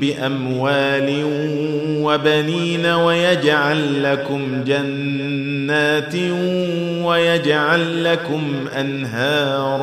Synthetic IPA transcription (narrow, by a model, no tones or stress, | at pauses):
bɪʔamwaːlɪ | wabaniːnawajad͡ʒʕalːakʊm | d͡ʒanː | aːt̪ | wajad͡ʒʕalːakʊm | ʔʔanɦaːɾ